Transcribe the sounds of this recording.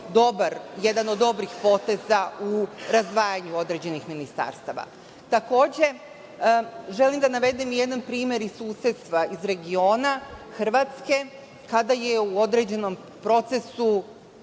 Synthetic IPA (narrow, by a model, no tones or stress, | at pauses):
d̪o̞baɾje̞d̪ano̞d̪ːo̞bɾixpo̞t̪e̞zauɾazd̪ʋaːjaɲuo̞d̪ɾe̞d͡ʑe̞nixminist̪a̰ːɾst̪aʋa̰ | t̪ako̞ːd͡ʑe̞ | ʒe̞limd̪anaʋe̞d̪imje̞d̪anpɾiːmʲjeɾisːuːse̞t̪st̪ʋaizɾe̞ɡio̞ːnaxr̩ʋaːt̪ske̞ | kad̪aje̞uo̞d̪ɾed͡ʑe̞no̞m | pɾo̞t̪se̞su